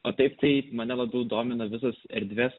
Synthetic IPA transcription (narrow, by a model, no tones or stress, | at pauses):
oːt̪ɐɪpt̪ɐɪmɐnʲɛlˠɐbʲɛʊd̪oːmʲɪnɐʋʲɪs̬ɐsɛɾʲd̪ʲʋʲeːs